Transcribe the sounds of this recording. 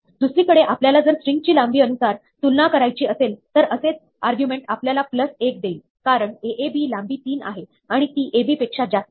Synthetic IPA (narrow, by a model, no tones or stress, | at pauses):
d̪usɾiːkəɽeʔapljalad͡zəɾsɾiŋɡ̚t͡ɕiːlambiːənusaɾ | t̪ulnakəɾajt͡ɕiːəselt̪əɾəset͡s | aɾɡjumeɳʈapljalapləsek̚d̪eil | kaɾəɳeʔebiːlambiːt̪iːna̰ɦe | aɽ̃it̪iːʔebiːpekʂad͡ʑat̪